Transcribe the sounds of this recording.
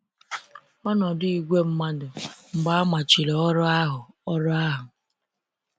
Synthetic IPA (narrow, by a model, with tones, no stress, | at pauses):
ɔ˦nɔ˨dʊ˦i˦ɡʷe˦m̩˦ma˦dʊ˨ŋ͡m̩˨ɡ͡ba˦ma˨t͡ʃi˨lɔ˨ɔ˦ɾɔ˦a˦ɦʊ˨ | ɔ˦ɾɔ˦a˦ɦʊ˨